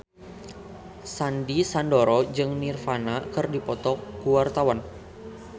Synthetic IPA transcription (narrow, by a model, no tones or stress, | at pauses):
sandisandɔɾɔd͡ʒɨŋnirfanakɨrdipɔt̪ɔkuwart̪awan